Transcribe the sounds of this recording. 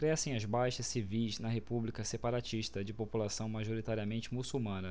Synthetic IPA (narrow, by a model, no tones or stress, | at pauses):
kɾɛsẽj̃ɐzbajʃɐssivijznɐɦepublikɐsepaɾat͡ʃiʃt̪ɐd͡ʒɪpopulasɐ̃w̃maʒoɾit̪aɾiɐmẽnt͡ʃɪmusumɐ̃nɐ